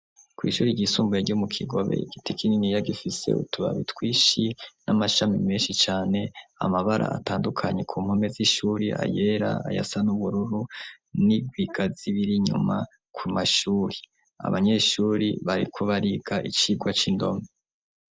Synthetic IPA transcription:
kwḭːʃuːɾiɟiːsuːmbujeɟumukʰiɡo̞βe̞̰iɡ̥itikininijaɡifise̞̰ṵtuβa̰βḭtwiːʃinamaʃamimeːnʃit͡ʃaːne̞a̰maβaɾʔa̰ataːndukʰaɲe̞kʰuːm̥ho̞me̞ziʃuːɾiʔa̰je̞ːɾa̰a̰ja̰sanuβuɾuɾu | niɡwiɡaziβiɾiɲṵma | kʰumaʃuːɾe | a̰βaɲe̞ːʃuːɾḭβaɾḭkʰo̞βaɾiɡaʔit͡ʃiːɡwat͡ʃindo̞̰me

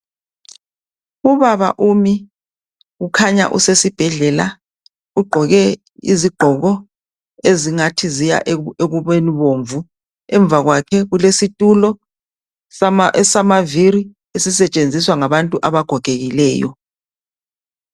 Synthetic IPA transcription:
uβaβa̰ʔumi | ɣukʰaɲa̰ʔṵsesib̥ʱɛɮɛla | uɡ͡ǃʱɔɣɛ | ḭziɡ͡ǃ̥ʱɔɣɔ | eziŋatʰizija̰ʔeɣuβeniβoɱvu | ɛɱb̪vʱaɣwakʰɛɣulesitʼulɔ | samaviɾi | esisɛt͡ʃʼend͡zʱiswaŋaβantʼuʔaβaɡ̥ʱɔɡ̥ʱeɣilɛːjɔ̰

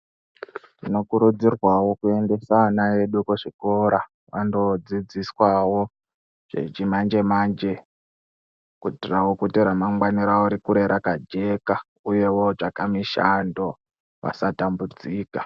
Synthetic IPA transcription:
tino̞kuɾud͡zirwawo̞kue̞nde̞sanaje̞ɗukuʐiko̞ɾa | ʋandod͡zid͡ziswawo̞ | ʐ̥ḛt͡ʃimand͡ʒe̞maːnd͡ʒe̞ | kutirawokuteɾamamwaniɾauɾikuɾe̞ɾʔakad͡ʒe̞ka | uje̞wo̞ʐakamiʃando̞ | ʋa̰satambud͡ziːka

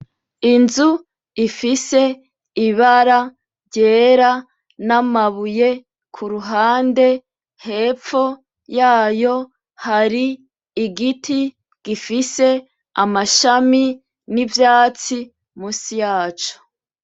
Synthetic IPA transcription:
inzu | ifise̞ | iβaɾa | ɾɟe̞ːɾa | namaβuje̞ | kʰuɾuɦaːnde̞ | he̞ːp͡ffo̞ | jaːjo̞ | haɾiː | ɡiti | ɡ̥ifise̞ | a̰maʃami | nivjaːt͡si | muːsijaːt͡ʃo̥

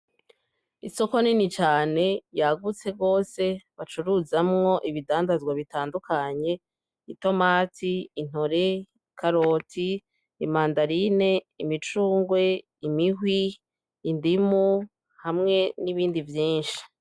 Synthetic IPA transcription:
iso̞ko̞ninit͡ʃaːne̞jaɡut͡se̞ɡo̞ːse̞βat͡ʃuɾuzamŋo̞ʔiβidaːndazɡwaβitaːndukʰaɲe̞ | ito̞maːtʰiːn̥oɾe̞ | ikʰaɾo̞ːtʰiː | maːndaɾine̞ | imit͡ʃuːŋɡwe̞ | imiɦwiː | ndimu | hamŋe̞niβiːndivjiːnʃi̥

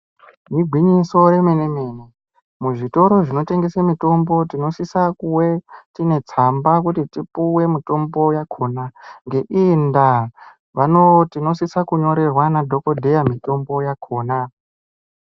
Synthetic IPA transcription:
niɡʱwiɲiso̞ɾemeneme̞ːne | muʐito̞ɾo̞ʐino̞te̞ŋɡe̞semito̞mbo̞tino̞sisakuwe̞tine̞t͡sambakutitipuwe̞mito̞mbo̞jakʰo̞naŋɡe̞ʔinda | ʋanotino̞sisakuɲo̞ɾe̞rwanadʱo̞ko̞dʱe̞jamito̞mbo̞jakʰo̞ːna

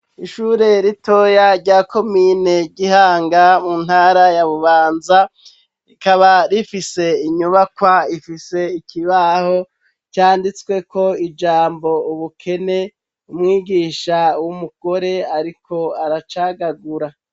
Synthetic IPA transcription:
iʃuːɾe̞ɾito̞jaɾɟaːko̞miːne̞ɟihaːŋɡamun̥haːɾajaβuβaːnza | ikaβaɾifise̞iɲuβakwaifise̞ikiβaho̞ | caːndit͡swe̞ko̞id͡ʒaːmbo̞uβukʰe̞ne̞ | umŋiːɡiːʃawumuɡ̥o̞ɾe̞aɾikʰo̞aɾat͡ʃaːɡaɡuɾa

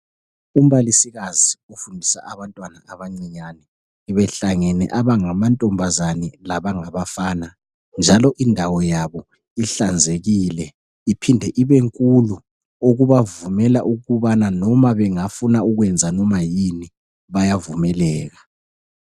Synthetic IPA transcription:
um̩βalisiɣaziofundʱisa̰ʔaβantʼwanaaβaŋ͡ǀiɲanɛ | βɛɬaŋɛnɛ̰ʔaβaŋamantʼɔmbʱazanɛlaβaŋaβafaːna | nd͡ʒʱalɔʔindʱawɔjaβɔ | iɬand͡zʱeɣiːlɛ | ipʰindʱɛʔiβeŋkʼulu | oɣuβavumɛlaʔuɣuβananɔmaβɛŋafunauɣwɛnd͡zʱanɔmajini | βajavumɛlɛːɣa

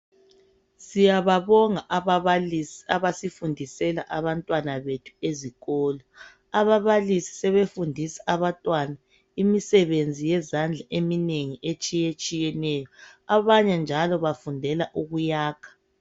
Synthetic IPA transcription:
sijaβaβɔŋaʔaβaβalisiaβasifundʱisɛla̰ʔaβantʼwanaβetʰu̥eziɣɔːlɔ | aβaβalisi̥sɛβefundʱisḁaβantʼwana | imisɛβend͡zʱijɛzand͡ɮʱaʔemineŋiʔet͡ʃʼijet͡ʃʼijɛnɛjɔaβaɲɛnd͡ʒʱalɔβafundʱɛlaʔuɣujaːkʰḁ

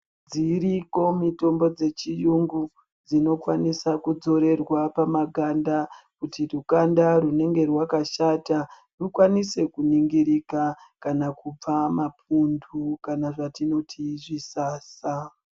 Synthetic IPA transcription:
d͡ziriko̞mito̞mbo̞d͡ze̞t͡ʃijuŋɡu | d͡zino̞kwanisakud͡zo̞ɾe̞rwapamaɡʱandakutirukandarune̞ŋɡe̞rwakaʃata | rukwanise̞kuniŋɡiɾikakanakub͡vamap̚ʰundukanaʐatino̞tʰiʐisaːsa

